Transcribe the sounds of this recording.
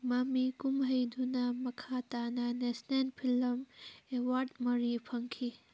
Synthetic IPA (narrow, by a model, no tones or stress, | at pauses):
mamikumɦɐjd̪ʱunamɐkʰat̪ananesnenpʰilɐmewaɾdmɐɾipʰɐŋkʰi